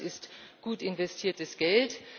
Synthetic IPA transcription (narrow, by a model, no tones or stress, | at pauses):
ɪstɡ̥uːtɪnvɛstʰiːɐtəsɡ̥ɛlt